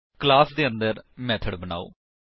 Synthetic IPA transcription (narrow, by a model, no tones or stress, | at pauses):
klaːsd̪eːənd̪əɾmɛːt̪ʰəɖbəna̰ːo̰ː